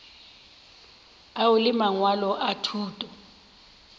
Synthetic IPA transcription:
aʊlɪmaŋwalɔʔatʰuːtʼɔ

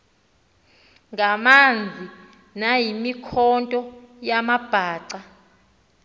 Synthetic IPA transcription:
ŋɡamand͡zʱi | najimikʰɔntʼɔjamab̥ʱaːǀa

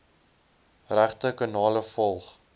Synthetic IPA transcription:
ræχtəkɑnɑːləfɔlˠχ

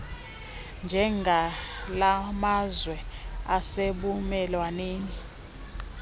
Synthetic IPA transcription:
nd͡ʒʱɛŋɡʱalamazwɛaseɓumɛlwaneːni

